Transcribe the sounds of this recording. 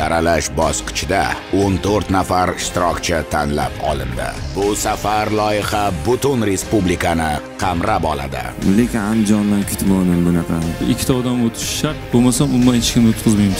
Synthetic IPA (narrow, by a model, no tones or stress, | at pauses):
aɾalaʃbɒsqʰɨ̥t͡ʃʰɪd̪aont̪ʰoɾt̪nafaɾɪʃt̪ɪɾɒkʲt͡ʃʰat̪ʰanla̰pʰɒ̰lˠɪ̰nd̪ɪ̰bʊsafaɾlˠɒjɪhɑbʊt̪ʰʊnɾe̞spublikʰanɪqʰɑmɾapɒla̰d̪ɪ̰lekʲɪnand͡ʒɒnlankʰʲɪ̥t̪ʰmɒnɪnbʊnɑqʰɑɪkʲʰːɪ̥t̪ʰaɒd̪amot̪ʰɪ̥ʃʃaɾt̪bomasamʊnd̪anɪt͡ʃʰkʲɪnot̪qʰɨzmajmɪz